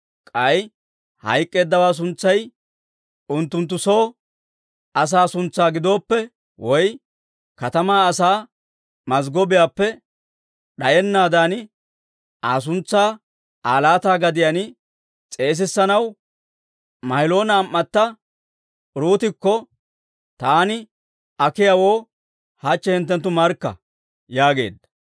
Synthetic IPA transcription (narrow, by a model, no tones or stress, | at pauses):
kʼɐj | hɐ̰jkʼːe̞ːd̪ːɐwaːs̬ʊnt͡sːɐj | ʊnt̪ːʊnt̪̬ːʊsoː | ɐs̬aːsʊnt͡sːaːɡɪd̪o̞ːpːɛ | wɔj | kɐt̪ɐmaːsaː | mɐzɡɔbɪjaːpːɛ | ɗɐjɛnːaːd̪aːn | ʔaːs̬ʊnt͡sːaː | aːlaːt̪aːɡɐd̪ɪjɐnɪ | t͡sʼe̞ːs̬ɪsːɐnɐw | mɐjlo̞ːnɐːmːɐt̪ːɐ | ɾuːt̪ɪkːɔ | t̪aːnɪ | ɐkɪjɐwo̞ː | hɐt͡ʃːɛhɪnt̪̬ːɛnt̪̬ːʊmɐɾkːɐ̰ | jaːɡe̞̰ːd̪ːɐ̥